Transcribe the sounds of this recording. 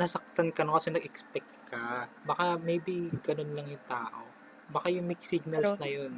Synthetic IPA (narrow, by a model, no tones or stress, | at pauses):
nɐsɐk̚t̪ankɐnokɐsɛnɐɡʔɛkspɛk̚t̪̚kɐ | bɐkamejbiɡɐno̞nlɐŋjʊŋt̪aːʔo̞ | bɐkajʊŋmɪksiɡ̚nɐlsnɐjon